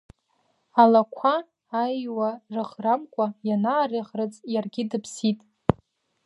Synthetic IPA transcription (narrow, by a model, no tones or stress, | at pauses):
alakʷʰaː | jwarɨʁramkʷʼajanaːriʁrɨt͡sʼjarɡʲɪdɨpʰsitʼ